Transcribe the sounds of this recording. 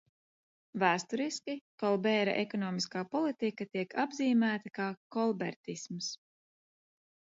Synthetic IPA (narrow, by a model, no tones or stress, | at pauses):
væːst̪ɔɾiskʲikɔlˠbɛːɾa̰ʔɛkɔnɔːmiskaːpɔlˠit̪ikat̪iɛkʰabziːmæːt̪akaːkɔlˠbɛɾt̪isms